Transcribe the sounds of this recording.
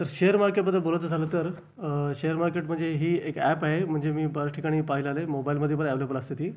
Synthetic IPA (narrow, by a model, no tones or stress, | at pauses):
t̪əɾɕejəɾmaɾkeʈbəd̪ʱːebolət̪d͡zʱaləːt̪əɾ | ɕejəɾmaɾkeʈm̤əɳd͡zeɦiːekɛpaɦem̤əɳd͡zemiːbəɾəʈʰikaɽ̃iːpaɦiləalemobailməd̪ʱjepəɾɛʋlobpələst̪et̪iː